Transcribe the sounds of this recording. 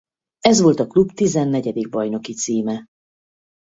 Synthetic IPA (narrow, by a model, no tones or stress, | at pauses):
ɛzʋo̞lt̪ɒklubt̪izɛnːɛɟɛd̪iɡ̚bɒjno̞kit̪siːmɛ